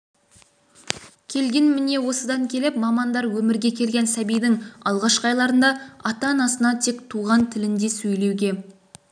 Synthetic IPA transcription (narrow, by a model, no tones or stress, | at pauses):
kʲʰe̞lɡʲe̞nmɪne̞wo̞səd̪ɑŋkʲʰe̞lɪpmɑmɑnd̪ɑɾwɵmɪɾɡʲe̞kʲʰe̞lɡʲe̞nsæbijd̪ɪŋɑ̰lˠʁɑʃqɑjlˠɑɾənd̪ɑɑt̪ɑnɑsənɑt̪ʰe̞kt̪ʰuʁɑnt̪ʰɪlɪnd̪e̞sɵjle̞wɡʲe̞